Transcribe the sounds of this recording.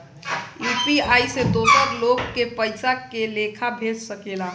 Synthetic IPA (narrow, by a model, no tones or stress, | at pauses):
jupiaised̪osəɾloɡːepəjsakelekʰabʱet͡ʃsəkela